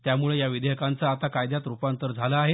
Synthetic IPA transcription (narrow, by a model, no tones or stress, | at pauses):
t̪jamuɭejaʋid̪eɦkant͡saːt̪akajd̪jat̪ɾupant̪əɾd͡zʱalaːɦe